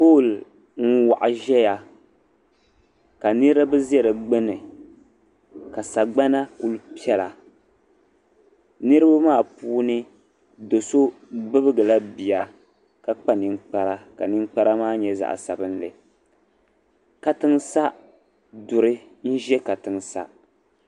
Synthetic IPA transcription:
poː˦˨l | ŋ̩˦wa˨ʔa˨ʒɛ˦ja˨ | ka˨nɨ˦ɾa˦bɨ˦zɛ˦ɾɨ˨ɡ͡bɨ˦nɨ˨ | ka˨sa˨ɡ͡ba˦na˦ku˦lpi˦ɛ˦la˨ | nɨ˦ɾɨ˦ba˦maː˦˨puː˦nɨ˦ | do˨so˦bɨ˦bɨ˦ɡɨ˨la˦bi˨ja˨ | ka˨k͡pa˦nɨ˨ŋk͡pa˦ɾa˦ka˨nɨ˦ŋ͡mk͡pa˦ɾa˦maː˦ɲɛ˨za̰˨ʔsa̰˨bɨ˦n˦lɨ̰˨ | ka˨tɨ˦ŋsa˦ | dʊ˨ɾɨ˦ | n̩˦ʒɛ˦ka˨tɨ˨ŋsa̰˦

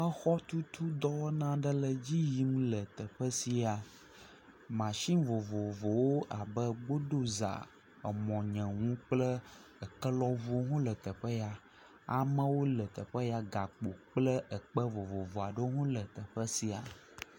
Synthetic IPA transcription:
ə˦xɔ˦t̪u˦t̪ʰu˦d̪ɔ˦wo˦nã˦ɖə˦lə˨d͡ʑi˦ji˦mlə˨t̪ə˨ɸə˦si˨a˨ | mã˨ʃĩ˦vo˨vo˨vo˨wo˦ʔa˨bə˦ɡ͡bo˦ɖo˦za̰˨ | ə˨mɔ̃˨ɲɛ̃˨ŋũ˦k͡plə˦ | ə˨kə˦lɔ˦vu˦o˦ɦũ˦lə˨t̪ə˨ɸə˦ja˦ | a˨mə̃˦wo˦lə˨t̪ə˨ɸə˦ja˦ɡa˨k͡po˨k͡plə˦ʔə˨k͡pə˦vo˨vo˨vo˨a˨ɖə˦ɦũ˦lə˨t̪ə˨ɸə˦si˨a̰˨

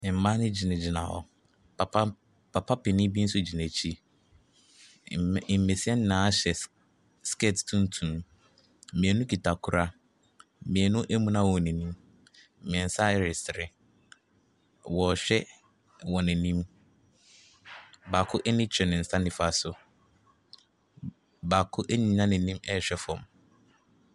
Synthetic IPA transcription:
ɪ̃˨m̩˨mã˦nɪ̃˦d͡ʑi˨nã˨d͡ʑɪ˨nã̰˨ɔ̰˨ | a˨˦ | pʰa˨pʰa˦pɪ˨nɪ̃˦bi˦n̩˦sʊ˦d͡ʑi˨næ̃˨t͡ɕʰi˦˨ | m̩˨me˨si˦ɛ˦nɪ˦nã˨˦ɕɛ˨ | skɛ˦˨ttʰũ˦n˦tʰũ˨ | mĩ˨ɛ˨˦nʊ̃˦kʰi˨tʰa˨kʰʊ˨ɾa˦˨ | mĩ˨ɛ˨nʊ̃˦ʔe˦mũ˦nã˦wɔ˨nɛ̃˨nĩ˦m̩˨ | m̃˨n̩˨sa˦ɪ˦ɾɪ˨sɪ˨ɾɪ˨ | wɔ˨ɕᶣɛ˦ | wɔ˨nɛ̃˨nĩ˦m | baː˨kʰʊ˦ʔɛ˦nɪ̃˦t͡ɕʰᶣɛ˨nɪ̃˨n̩˨sã˦nɪ̃˨fa˦˨sʊ˨ | baː˨kʰʊ˦ʔæ˦ɲĩ˨˦ɲã˦nɪ̃˨nĩ˦mɛ˦˨ɕᶣɛ˦fɔ̃˨m

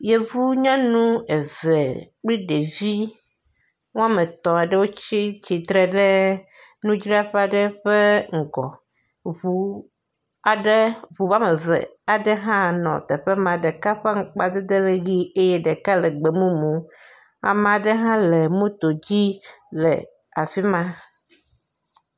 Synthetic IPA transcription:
je˦vu˦ɲã˦nũ˦e˨ze˨k͡pli˦ɖe˨vi˦ | wõ˦a˦mẽ˨t̪ɔ̃˨a˨ɖe˦wo˦t͡ɕi˦t͡ɕi˨t̪ɾe˨ɖe˦ | nũ˦d͡ʒɾi˦a˦ɸɛ˦a˨ɖɛ˦ɸe˦ŋ̩˨ɡɔ̰˨ | βu˨ | a˨ɖe˦βu˨va˦me˨vḛ˨a˨ɖe˦ɦã˦nɔ̰̃˨t̪ɛ˨ɸe˦mã˨ɖe˨ka˦ɸɛ˦ŋ̩˨k͡pa˨d̪e˦d̪e˦le˦ɣi˦e˦jɛ˦ɖe˨ka˦le˨ɡ͡be˨mũ˦mũ˨ | a̰˨m̃˨a˨ɖe˦ɦã˦le˨mũ˦t̪o˨d͡ʑi˦lḛ˨ | a˨fi˦mã˦

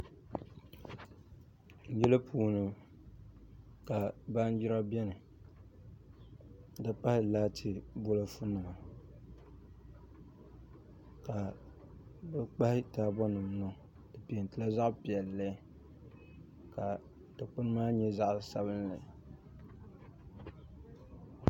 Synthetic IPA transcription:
n̩˨jɛ˦la˦pʰuː˨nɨ˨ | ka˨ba˦n˦d͡ʒi˦ɾa˦bɛ˦nɨ˨ | dɨ˦pa˦hɪ˦laː˦tʰɪ˦bo˦la˦fu˦nɨ˨ma˨ | ka˨ | bɨ˦k͡pa˦hɪ˦taː˦bɔ˦nɨ˨m˦nʊ˨ | tɨ˨pi˨n˨tɨ˦la˦za˦ʔpi˨ɛ˨lːɛ˦ | ka˨ | ta˨k͡pʊ˦n˦maː˦ɲɛ˦za˦ʔsa˨bɨ˦nlɨ˨

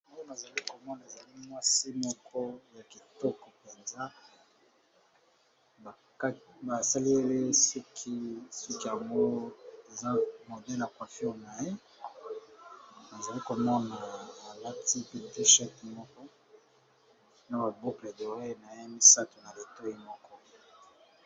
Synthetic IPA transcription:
mɔ˦je˦ma˨za˨li˦ko˨mɔ˦na˨e˨za˨li˦mwa˦si˦mɔ˦kʰɔ˦ja˨ki˨tɔ˦kɔ˨pe˨nza˦ | a˨˦ | ba˨sa˦li˦e˦le˦si˦kʰi˦sɔ˦ki˦ja˨ŋɡo˦e˨za˦mo˨dɛ˦la˨kwa˨fna˨je˦ | ba˨za˨li˦ko˨mɔ˦naː˨la˦ti˦pi˨lo˨te˦ʃɛ˦tmɔ˦kɔ˦ | na˦ba˨bo˦kle˨do˨ʁe˦˨na˨je˦mi˦sa˦tu˨na˨li˨to˦i˦mɔ˦kɔ˦

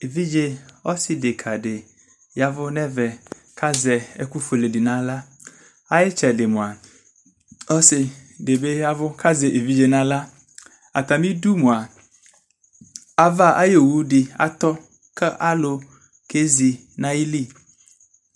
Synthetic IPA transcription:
e˨vi˦d͡ʒe˦ɔ˦sɪ˨de˨kʰa˨ɖe˨ | ja˨vʊ˦nɛ˦vɛ˨ | ka˦zɛ˨e˦ku˦fe˨le˨di˨nã˦la˦ | a˦jɪ˦t͡ʃɛ˨de˨mũ˨a˨ | ɔ˦sɪ˨de˨be˦ja˦vʊ˦ka˦ze˨ʔe˨vi˦d͡ʒe˨nã˦la˦ | a̰˨t̪a˨mĩ˦du˦mũ˨a˨ | a˦va˦ʔa˦je˨wu˦dɪ˨a̰˨t̪ɔ˦ | kɛ˦ʔa˦lo˨ | ke˦zi˨ | nã˦ji˦li˦˨

